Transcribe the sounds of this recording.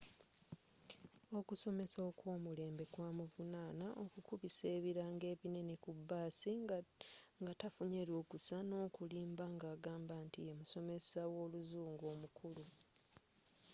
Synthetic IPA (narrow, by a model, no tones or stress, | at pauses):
o̞kuso̞me̞soːkwo̞ːmule̞ːmbe̞kwaːmuvunaːnaʔokukuβise̞ːβiɾaːŋɡe̞ːβine̞nekubːaːsi | ŋɡatafuɲeːɾjo̞ːkusano̞ːkuliːmbaŋɡaːɡaːmbantie̞muso̞me̞sawo̞ːluzuːŋɡo̞ːmukʰulu